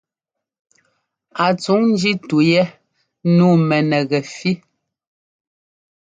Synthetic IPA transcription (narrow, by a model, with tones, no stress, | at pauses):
a˨t͡su˨˦ŋn̩˦d͡ʒi˦tu˨jɛ˦ | nuː˦˨mɛ˨nɛ˨ɣɛ˨fi˦